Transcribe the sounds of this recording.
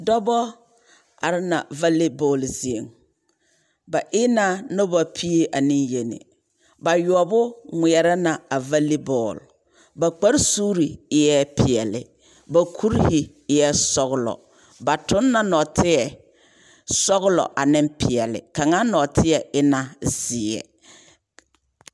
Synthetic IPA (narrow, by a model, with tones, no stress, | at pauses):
dɔ˦bɔ˦ | a̰˨ɾɪ˦na̰˨va˦le˦bɔ˨lzi˨e˨ŋ | ba˨ʔɪ˦na˦nɔ˦ba˨pʰi˦e˦ʔa˨ni˦ŋje˨nɪ̰˨ | ba˨jɔ˨bʊ˦ŋʷɪ˨ɛ˨ɾa˦na˨a˨va˦li˦bɔː˦˨l | ba˨k͡pa˦ɾsuː˦ɾi˨ɪ˦jɛ˦pʰɪ˨ɛ˨lɪ̰˨ | ba˨kʰu˦ɾhɪ˨˦ | jɛ˦sɔ˦ɣʊ˦lɔ̰˨ | ba˨tʊ˦nːa˦nɔ˨tʰɪ˦ɛ˨ | sɔ˦ɣʊ˦lɔ̰˨ʔa˨nɪ˦mpɪ˨ɛ˨lɪ̰˨ka˨ŋa˦nɔ˨tʰɪ˦ɛ˨ɪ˦na˨z̥ɪ˨ɛ̰˨